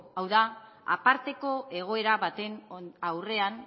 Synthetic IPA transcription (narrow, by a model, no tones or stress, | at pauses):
awða | a̰paɾt̪e̞ko̞e̞ɣ̞o̞e̞ɾaβat̪e̞nawre̞an